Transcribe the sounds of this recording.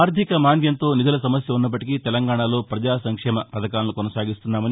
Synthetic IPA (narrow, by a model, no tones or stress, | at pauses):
aːɾd̪ʱikɐmaːnʋjɐnt̪o̞ːnid͡ʒ̪ʱɐlɐsɐmɐsjɐunːɐp̬ːɐʈikit̪ɛlɐŋɡaːɳalo̞ːpɾɐd͡ʒaːsɐŋkʂɛːmɐpɐd̪ɐkaːnɐlukɔnɐsaːɡist̪unːaːmɐni